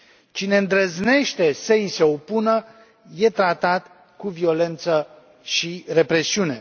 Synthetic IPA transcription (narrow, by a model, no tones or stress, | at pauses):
t͡ʃine̞ɨnd̪ɾəzne̞ʃt̪e̞səise̞opunə | je̞t̪ɾat̪at̪ | kuvio̞le̞nt̪sə | ʃire̞pɾe̞siune̞